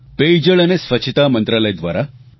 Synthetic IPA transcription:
ped͡ʑəɭanesʋət͡ɕʰit̪amənt̪ɾaləjd̪ʋaɾa

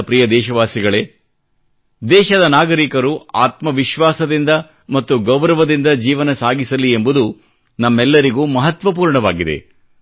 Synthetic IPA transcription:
pɾijɐd̪ɛːʃɐʋaːsiɡɐɭeː | d̪ɛːʃɐd̪ɐnaːɡɐɾikɐɾuaːt̪mɐʋiʃʋaːsɐd̪ind̪ɐ | mɐt̪ːuɡɐwɾɐʋɐd̪ind̪ɐd͡ʒiːʋɐnɐsaːɡisɐlːie̞mbud̪u | nɐmːɛlːɐɾiɡuːmɐɦɐt̪ʋɐp̬uːɾɳɐʋaːɡid̪e̞̰

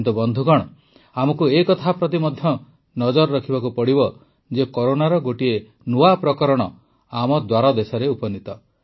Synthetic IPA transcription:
t̪ubɔnd̪ʱuɡɔɽ̃ɔ | amɔkuekɔt̪ʰapɾɔt̪̬imɔd̪ʱjɔ | nɔd͡ʒɔɾɔɾɔkʰibakupɔɽibɔ | d͡ʒekɔɾonaɾɔɡoʈie | nuapɾɔkɔɾɔɽ̃ɔ | amɔd̪waɾɔd̪esɔɾeupɔnit̪ɔ

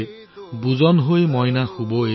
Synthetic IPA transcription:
buzɔnɦojmɔjnaxubo

